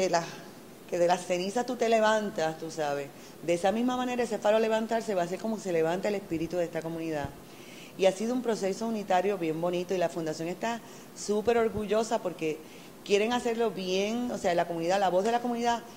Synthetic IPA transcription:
ela | ke̞ðe̞lasːe̞nisat̪ut̪e̞le̞βãnt̪ast̪usaβe̞s | d̪eesamĩsmamãne̞ɾaese̞falole̞β̞ant̪aɾse̞βaːs̬e̞ɾko̞mo̞kese̞le̞βant̪aele̞spiɾit̪uðe̞st̪ako̞mũniða | iasiðoumpɾo̞se̞so̞unit̪aɾjo̞βje̞mbo̞nĩt̪o̞ilafund̪asjo̞ŋe̞st̪a | supe̞ɾo̞ɾɣuʝo̞sapo̞ɾke̞ | kje̞ɾe̞ŋase̞ɾlo̞βje̞ŋose̞aelakomũniðalaβo̞zðe̞lako̞mũniða

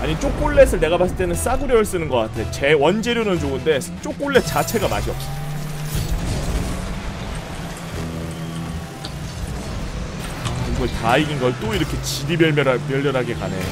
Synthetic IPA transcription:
aɲit͡ɕ͈ok͈oɭːe̞sʰɯɭne̞ɡapas͈ɯɭt͈enɯns͈aɡuɾjʌɯɭs͈ɯnɯnɡʌk͈atʰe̞ot͡ɕe̞wʌnd͡ʑe̞ɾjonɯnd͡ʑoɡɯnde̞ | t͡ɕ͈ok͈oɭːe̞t͡ɕat͡ɕʰe̞ɡama̰ɕʰiʌp͈̚o | auɡʌtaiɡinɡʌɭt͈oiɾʌkʰe̞t͡ɕidimjʌɭmjʌɾamjʌɭmjʌɾɦaɡe̞kane̞̰o

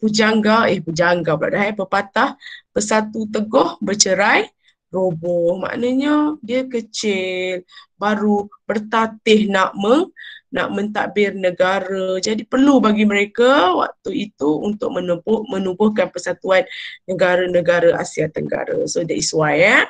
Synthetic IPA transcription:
pud͡ʒaŋɡaɪhpud͡ʒaŋɡabɾa̰ʔdaɦajbəpat̪ahb̥əsat̪ut̪əɡɔhbət͡ʃəɾaj | robɔhma̰ʔnəɲədiəkət͡ʃɪlbaɾubərt̪at̪ɪhnaʔməŋna̰ʔmə̃nt̪a̰bɪrnəɡaɾəd͡ʒadipərlubaɡiməɾekawa̰k̚t̪uit̪uunt̪ʊʔ̚mənubmənubʊhkanpəsat̪uanːəɡaɾənəɡaɾəʔa̰siat̪əŋɡa̰ɾə̰sodaʔisuaja

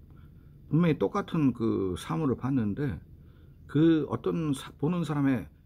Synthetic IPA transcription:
punmʌŋit͈ok͈atʰɯnkɯsʰamuɾɯɭpanːɯnde̞ | kɯʌ̰t͈ʌnsʰponɯnsʰaɾame̞

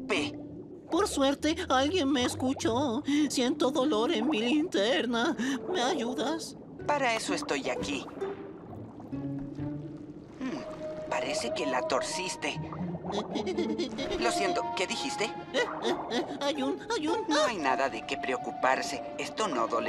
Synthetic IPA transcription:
pe | poɾsweɾt̪ealɣje̞nmeːskut͡ʃosje̞nt̪oðolo̞ɾenmilint̪eɾnameaʝuðas | paɾaesoest̪ojaki | paɾese̞kelat̪o̞ɾsist̪e | losjent̪okeðixist̪e | ajunajunnoajnaðaðekepɾeokupaɾse | est̪onoðole

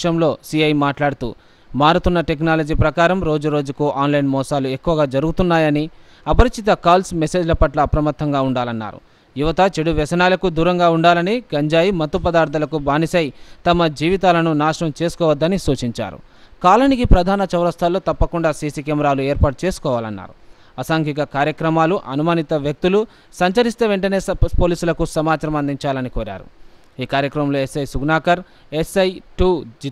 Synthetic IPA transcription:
ʂɐmlo̞ːsiɐjmaːʈlaːɽut̪ṵː | maːɾut̪unːɐʈek̬naːlɐd͡ʒiːpɾɐkaːɾɐmɾo̞ːd͡ʒuɾo̞ːd͡ʒukuʔaːnlɐjnmɔːsaːluekːuʋɐɡaːd͡ʒɐɾuɡut̪unːaːjɐni | ɐpɐɾit͡ʃit̪ɐkaːlsmese̞ːd͡ʒlɐpɐʈlɐːpɾɐmɐt̪ʰːɐŋɡaːuɳɖaːlɐnːa̰ːɾṵ | juʋɐt̪ɐt͡ʃeɽuʋɛsɐnaːlɐkud̪uːɾɐŋɡaːuɳɖaːlɐniɡɐɲd͡ʒaːjimɐt̪ːupɐd̪aːɾt̪̬ʰɐlɐkubaːnisɐjt̪ɐmɐd͡ʒiːʋit̪̬aːlɐnunaːʂɐɳɐmt͡ʃe̞ːsu̥kɔːʋɐd̪ːɐnisuːt͡ʃiɲt͡ʃa̰ːɾṵ | kaːlɐnikipɾɐd̪ʱaːnɐt͡ʃɐʋɾɐst̪ʰaːloːt̪ɐpːɐkuɳɖaːsiːsikemɐɾaːlueːɾpaːʈ̚t͡ʃe̞ːsu̥kɔːʋaːlɐnːa̰ːɾu | ɐsaŋkikɐkaːɾjɐkɾɐmaːluʔɐnumaːnit̪ɐʋjɐk̚t̪ulu | sɐɲt͡ʃɐɾist̪eːʋe̞ɳʈɐne̞ːpo̞ːliːsulɐkusɐmaːt͡ʃɐɾɐmɐnd̪ʱiɲt͡ʃaːlɐnikoːɾa̰ːɾṵ | iːkaːɾjɐkɾɐmɐmloːesɐjsuɡnaːkɐɾ | esɐjʈu

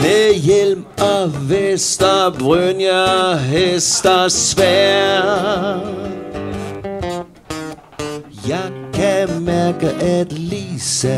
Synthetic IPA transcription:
mejelm | aʋesd̥ɐbʁønjəɦesd̥ɐsʋɛ | jɑɪkʰæmæɐɡəʔætliːsə

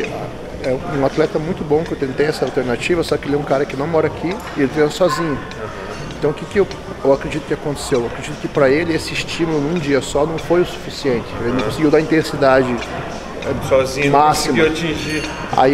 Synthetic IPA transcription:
a | ɛ̃ũat̪lɛt̪ɐmũj̃t̪ʊbõkɪewt̪ẽnt̪ejɛsɐalwˠt̪eɾnat͡ʃivɐsɔkɪelɛũkaɾɐkɪnɐ̃w̃mɔɾɐakʰi | ɪelɪpẽsɐsɔzĩɲʊ | ã | ẽt̪ɐ̃w̃ʊkɪkɪew | ewakɾed͡ʒit̪ʊ̥kɪakõnt̪e̥sewewakɾed͡ʒit̪ʊkɪpɾɐelɪesɪːst͡ʃimulʊnũd͡ʒiɐsɔnɐ̃w̃fojʊsu̥fisiẽnt̪ɪ̥elɪnɐ̃w̃kõsɪɡiwd̪aĩt̪ẽsid̪ad͡ʒɪ | ɛsɔzĩmasimɐat͡ʃĩʒi | a̰

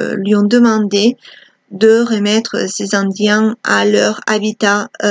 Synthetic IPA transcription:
lɥiɔ̃d̪əmɑ̃d̪e | d̪əʁəmɛt̪χə̰sezɑ̃d̪jɛ̃alœʁabit̪a

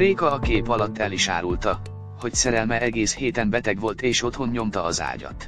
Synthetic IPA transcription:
reːkɒːkeːpɒlɒt̪ːɛliʃa̰ːɾult̪ɒ | ho̞csɛɾɛlmɛɛɡeːsheːt̪ɛmbɛt̪ɛɡʋo̞lt̪eːʃo̞t̪ho̞nɲo̞mt̪ɒːza̰ːɟɒ̰t̪

